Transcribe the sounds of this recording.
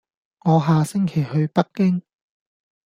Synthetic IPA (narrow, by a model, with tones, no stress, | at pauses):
ŋɔː˨˧ɦaː˨sɪ˥ŋkʰe˨˩jɦɵ˧ɥpɐ˥kkːɪ˥ŋ